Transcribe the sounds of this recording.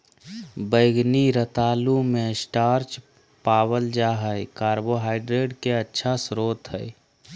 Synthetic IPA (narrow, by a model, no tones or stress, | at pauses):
bəɪɡniɾət̪aːlumẽsʈaːɾt͡ʃ | paːwəld͡ʒaːɦəekaːɾboɦaːɪɖɾeːɖkeətːʃʰasɾoːt̪ɦəɪ